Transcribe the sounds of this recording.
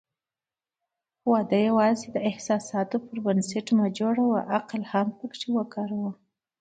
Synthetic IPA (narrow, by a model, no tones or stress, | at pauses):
wɑd̪ajawɑzed̪əɪhsɑsɑt̪opəɾbənseʈmad͡ʒoɽawaʔaqlhampəkʂiwəkɑɾawə